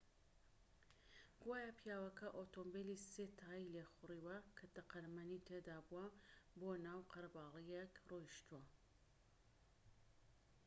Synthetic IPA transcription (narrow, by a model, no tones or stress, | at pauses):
ɡ̥waːjapʰjaːwɐkɐʔot̪ombeliset̪ʰaːjilexʊriːwɐkʰɐt̪ɐqɐɾmɐnit̪ʰed̪aːbuwɐboːnaːwqɐɾbaːlˠijekrojʃt̪uwɐ